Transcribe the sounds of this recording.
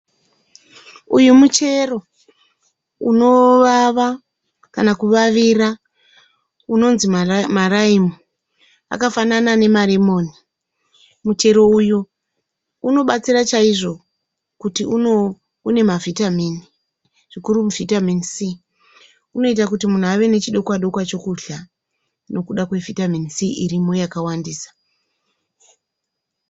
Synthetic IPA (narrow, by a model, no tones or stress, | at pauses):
ujumut͡ʃe̞ro̞ | uno̞ʋaʋa | kanakuʋaʋira | uno̞nzimaraimo | a̰kafananane̞maremo̞ːni | mut͡ʃe̞ɾo̞uju | uno̞ɓat͡sirat͡ʃaiʐo̞ | kutiuo | une̞mavʱitamini | ʐ̥ikuɾumuvitaminisi | uno̞itakutimun̤uaʋe̞ne̞t͡ʃiɗo̞kwaɗo̞kwat͡ʃo̞kuɬa | no̞kuɗakwe̞vʱitaminisiʔiɾimo̞jakawandiːsḁ